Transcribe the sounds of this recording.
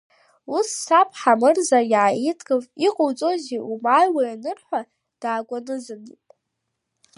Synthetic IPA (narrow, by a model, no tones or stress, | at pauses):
usːapʰʼħamɨrzajaʕajitʰʼɡʼɨviqʼowt͡sʼo̞ziʔumajwajanɨrħʷa | d̥aːkʷʼanɨzɨnipʼ